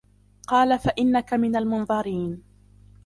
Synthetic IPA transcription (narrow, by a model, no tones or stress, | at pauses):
qɑːlafaʔɪnːakamɪnalmʊnðˤɑɾiːn